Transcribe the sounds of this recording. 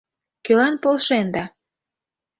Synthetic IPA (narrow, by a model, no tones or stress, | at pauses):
kølɑnpolʃend̪ɑ